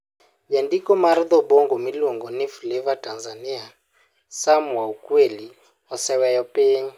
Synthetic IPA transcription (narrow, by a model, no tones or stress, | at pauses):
jandikɔmaɾiðɔbɔŋɡɔmilɔŋɡɔnifilɛvatʼanzania | samuwaukweli | ɔsɛwɛjɔpʼeːɲi